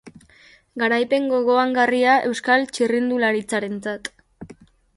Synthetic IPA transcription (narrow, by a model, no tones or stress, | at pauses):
ɡaɾajpe̞ŋɡo̞ɣo̞aŋɡariaʔe̞̰wskalt͡ʃirind̪ulaɾit͡saɾe̞nt͡sat̪